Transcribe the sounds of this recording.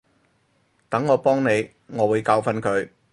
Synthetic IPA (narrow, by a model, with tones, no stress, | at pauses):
t̪ɐ˨˥ŋːɔː˨˧pɔː˥ŋne˨˧j | ŋɔː˨˧wuː˨˧jkaː˧wfɐ˧nkʰɵ˨˧ɥ